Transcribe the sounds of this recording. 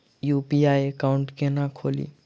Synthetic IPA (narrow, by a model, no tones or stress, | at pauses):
juːpiaːekaʊ̃ɳʈkenakʰoːlḭː